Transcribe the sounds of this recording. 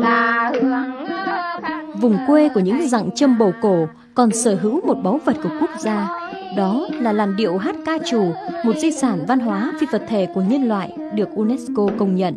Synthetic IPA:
vʊ˨˩ŋ͡mkwe˧ku˧˩əɲɨ̰˧˥ŋza̰˧˨ŋt͡ɕə˧mɓo˨˩ko˧˩ | kɔ˨˩nsəː˧˩ɦɨ̰˧˥wmo˨˩t̚ɓa˨˦wvə˨˩t̚ku˧˩əku˦˥ək̚zaː˧ɗɔ˨˦laː˨˩laː˨˩nɗḭ˧˨əwɦaː˦˥t̚kaː˧t͡ɕu˨˩mo˨˩t̚zi˧saː˧˩nva˧nɦwaː˨˦fi˧və˨˩t̚t̪ʰe˧˩ku˧˩əɲə˧nlwa̰ː˧˨j | ɗɨ˨˩ək̚ʔu˧nɛ˦˥sko˧kə˧wŋ͡mɲə̰˧˨n

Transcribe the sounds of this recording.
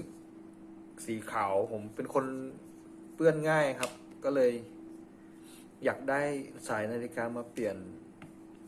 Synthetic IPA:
siː˩˦kʰaː˩˦wpʰo˩˦mpe˧nkʰo˧n | pɯ˥˩ənŋaː˥˩jkʰa˦˥p̚ | kɔː˥˩lɤː˧j | jaː˨˩k̚daː˥˩jsaː˩˦jnaː˧li˧kaː˧maː˧pli˨˩ən

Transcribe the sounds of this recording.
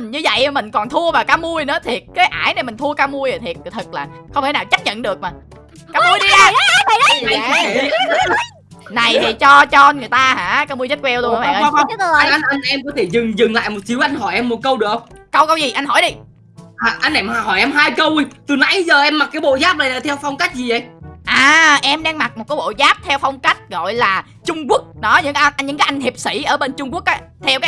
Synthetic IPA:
ɲɨ˧və̰˧˨jʔmï˨˩ŋ̟kɔ˨˩nt̪ʰu˧əvaː˨˩kaː˨˦wmu˧əjnɨ̰˧˨˦t̪ʰi˨˩ət̚kaː˨˦jʔaː˧˩jne˨˩mï˨˩ŋ̟t̪ʰu˧əkaː˧wmu˧əjə˨˩t̪ʰi˨˩ət̚t̪ʰɨ˨˩k̚laː˨˩xə˧ŋ͡mt̪ʰnaː˨˩t͡ɕa˦˥t̚ɲə̰˧˨nɗɨ˨˩ək̚maː˨˩ | kaː˧mu˧əjɗi˧a˧a˨˦˨ | na˨˩jt̪ʰi˨˩t͡ɕɔ˧t͡ɕɔ˧ŋɨ˨˩əjt̪aː˧ha̰ː˧˩kaː˧mu˧jzə˦˥t̚kwɛ˧wlu˧n˨aː˨˧ɓa̰ː˨˧˨ʔa˧ə˧n˨˧˨ɛ˧mkɔ˨˦t̪ʰe˧˩zɨ˨˩ŋzɨ˨˩ŋla̰ː˧˨jmo˨˩t̚t͡ɕi˨˦əwʔa˧jŋ̟ɦɔ˧˩jʔɛ˧mːo˨˩t̚kə˧wɗɨ˨˩k̚ə˧wŋ͡mkə˧wkə˧wzi˨˩ʔa˧n̟ɦɔ˧˩jɗi˧ | aː˨˩ʔa˧jnʔɛ˧˩mː˧˩ɦɔ˧˩jʔɛ˧mɦaː˧jkə˧wjt̪ɨ˨˩na̰˧˥jzəː˨˩ʔɛ˧mːa˨˩k̚kaː˨˦jɓo̰˧˨zaː˦˥p̚la˨˩la˨˩t̪ʰɛ˧wfɔ˧wŋ͡mka˦˥jk̟̚zi˨˩ə̰˨˩˨jʔaː˨˩ʔɛ˧mɗa˧ŋma˨˩k̚mo˨˩t̚kɔː˨˦jɓo̰˧˨zaː˦˥p̚t̪ʰɛ˧wfɔ˧wŋ͡mka˦˥jk̟̚ɣɔ̰˧˨jlaː˨˩ | t͡ɕʊ˧ŋ͡mku˦˥ək̚nɔ˨˦ɲɨ̰˧˥ŋ˧ɲɨ̰˧ŋkaː˨˦jʔa˧ŋ̟hi˨˩p̚sḭ˧˩ʔəː˧˩ɓe˧nt͡ɕʊ˧ŋ͡mku˦˥ək̚ʔa˨˧˦t̪ʰɛ˧wkaː˦

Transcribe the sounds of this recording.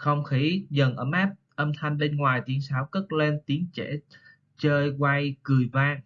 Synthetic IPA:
xə˧wŋ͡mxi˨˦zə˨˩nʔəː˧mʔaː˦˥p̚ | ʔə˧mt̪ʰa˧jŋ̟ɓe˧nŋwaː˨˩jt̪i˨˦ənsaː˨˦wkə˦˥t̚le˧nt̪i˨˦ənt͡ɕe˧˩ | t͡ɕəː˧jkwa˧jkɨ˨˩əjvaː˧ŋ

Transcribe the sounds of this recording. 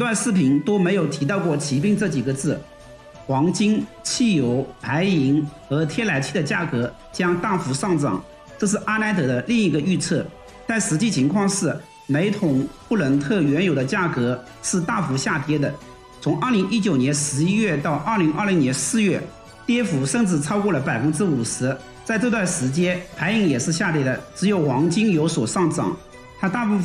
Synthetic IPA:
i˥t̪wa˥˧nʂɻ̩˥˩pʰi˧˥nt̪o˥ʊme˧˥ɪjo˨˩ʊt̪ʰi˧˥t̪ɑ˥˧ʊkwɔ˥˩t͡ɕʰi˧˥pi˥˧ŋʈ͡ʂɤ˥˩t͡ɕi˨˩ɡə˦t͡sɹ̩˥˩ | xwɑ˧˥ŋt͡ɕi˥ŋt͡ɕʰi˥˩jo˧˥ʊpa˧˥ɪi˧˥ŋxɤ˧˥t̪ʰjɛ˥la˧˥ɪt͡ɕʰi˥˩d̪ə˩t͡ɕja˥˩kɤ˧˥ | t͡ɕjɑ˥ŋt̪a˥˩fu˧˥ʂɑ˥˩ŋʈ͡ʂɑ̰˨˩˦ŋ | ʈ͡ʂɤ˥˧ʂ̬ɻ̩˥˩ʔa˥na˧˥ɪt̪ɤ˨˧˥d̪ə˦li˥˧ŋi˧˥˩ɡə˧y˥˧t͡sʰɤ˥˩ | t͡sa˥˩ɪʂɻ̩˧˥t͡ɕi˥˩t͡ɕʰi˧˥ŋkʰwɑ˥˧ŋʂɻ̩˥˩ | me˧˥ɪt̪ʰʊ˨˩ŋpʰu˥˩lə˧˥nt̪ʰɤ˥˩ɥɛ˧˥njo˨˩ʊd̪ə˦t͡ɕja˥˩kɤ˧˥ | ʂɻ̩˥˧t̪a˥˩fu˧˥ɕja˥˩t̪jɛ˥d̪ə˨ | t͡sʰʊ˧˥ŋʔə˞˥˩li˧˥ŋʔi˥t͡ɕjo˨˩ʊnjɛ˧˥nʂɻ̩˧˥i˥ɥɛ˥˧t̪ɑ˥˧ʊʔə˞˥˩li˧˥ŋʔə˞˥˩li˧˥njɛ˧˥nsɹ̩˥˧ɥɛ˥˩ | t̪jɛ˥fu˧˥ʂə˥˧ŋʈ͡ʂɻ̩˥˩t͡sʰɑ˥ʊkwɔ˥˩lə˩pa˨˩ɪfə˥nʈ͡ʂɻ̩˥u˨˩ʂɻ̩˧˥ | t͡sa˥˧ɪt̪o˥˧t̪wa˥˩nʂɻ̩˧˥t͡ɕjɛ˥npʰa˧˥ɪi˧˥ŋjɛ˨˩ʂɻ̩˥˧ɕja˥˩t̪jɛ˥d̪ə˩ʈ͡ʂɻ̩˧˥jo˨˩ʊwɑ˧˥ŋt͡ɕi˥ŋjo˧˥ʊswɔ˨˩ʂɑ˥˩ŋʈ͡ʂɑ̰˨˩˦ŋ | t̪ʰa˥t̪a˥˧pu˥˧

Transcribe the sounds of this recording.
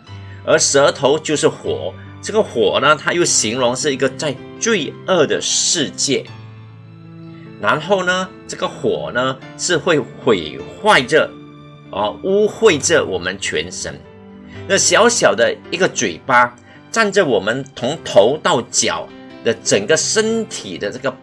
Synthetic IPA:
ə˞˧˥ʂə˧˥t̪ʰo˧˥ʊt͡ɕjo˥˧ʊʂɻ̩˥˩xwɔ̰˨˩˦ | ʈ͡ʂɤ˥˩ɡə˩xwɔ˨˩nə˦t̪ʰa˥jo˥˩ɕi˧˥ŋlʊ˧˥ŋʂɻ̩˥˩i˧˥ɡə˧t͡sa˥˧ɪ | t͡swe˥˧ɪə˥˩d̪ə̰˩ʂɻ̩˥˧t͡ɕjɛ˥˩ | na˧˥nxo˥˩ʊnə˩ | ʈ͡ʂɤ˥˩ɡə˨xwɔ˨˩nə˦ | ʂɻ̩˥˧xwe˥˩ɪxwe˨˩ɪxwa˥˩ɪʈ͡ʂə˩ | ʔə˧u˥xwe˥˩ɪʈ͡ʂə˨˩wɔ̰˨˩mə˦nt͡ɕʰɥɛ̰˧˥nʂə̰˥n | na˥˩ɕjɑ˧˥ʊɕjɑ˨˩ʊd̪ə˦i˧˥ɡə˨t͡swe˨˩ɪpa˥ | ʈ͡ʂa˥˩nʈ͡ʂə˨˩wɔ˨˩mə˦nt̪ʰʊ˧˥ŋt̪ʰo˧˥ʊt̪ɑ˥˩ʊt͡ɕjɑ̰˨˩˦ʊd̪ə˦ʈ͡ʂə˨˩ŋɡə˦ʂə˥nt̪ʰḭ˨˩d̪ə˦ʈ͡ʂɤ˥˩ɡə˩

